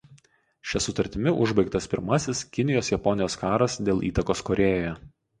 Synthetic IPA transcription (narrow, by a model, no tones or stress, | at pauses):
ʃʲɛsʊt̪ɐɾʲt̪ʲɪmʲɪʔʊʒbɐɪkt̪ɐspʲɪ̰ɾmɐsʲɪskʲɪnʲɪjoːsjɛpɔnʲɪjoːskɑːɾɐsd̪ʲeːlˠʔḭːt̪ɐkoːskɔɾʲeːjoːjɛ